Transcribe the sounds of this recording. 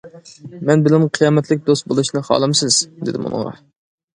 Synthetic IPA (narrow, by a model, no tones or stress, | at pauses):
mɛnbɪlɪmqʰijɑːmɛt̪lɪk̚ʲd̪ost̪̚bolˠuʃnɨχɑ̰ːlˠɨmsɪz̥d̪ɪd̪ɪmṵnɨ̰ŋʁɑ̰